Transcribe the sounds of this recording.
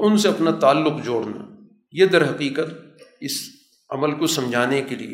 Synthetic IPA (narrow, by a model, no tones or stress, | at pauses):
ʊnseɐpnat̪aːlːʊqd͡ʒoːɽna̰ | jed̪ɐɾɦɐqiːqət̪ɪs | ɐ̰məlkosɐmd͡ʒʱaːnekelḭḛ